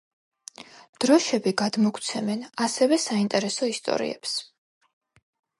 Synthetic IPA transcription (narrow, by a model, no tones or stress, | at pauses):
d̪̥ɾɔʃɛbiɡad̪mɔkʰt̪sʰɛmɛnasɛvɛsaint̪ʼɛɾɛsɔist̪ʼɔ̰ɾḭɛ̰ps